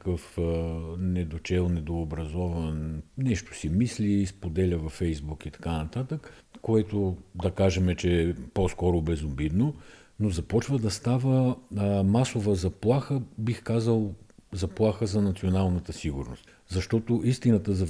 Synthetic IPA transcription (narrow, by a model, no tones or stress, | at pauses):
kəf | nɛd̪ot͡ʃɛlˠnɛd̪oːbɾɐzɔvənnɛʃt̪o̥simislispod̪ɛlʲəvɐfːɛjzbukit̪ɐ̥kanɐt̪at̪ək | kːoɛt̪od̪ɐkaʒɛmɛt͡ʃɛːposkɔɾʊbɛzobid̪no | nozɐpɔt͡ʃvəd̪ɐst̪avə | masovəzɐplˠaxəbixkazəlˠzɐplˠaxəzɐnɐt̪sionalˠnət̪əsiɡʊɾno̰st̪ | zɐʃt̪ɔt̪oʔist̪inət̪əzɐ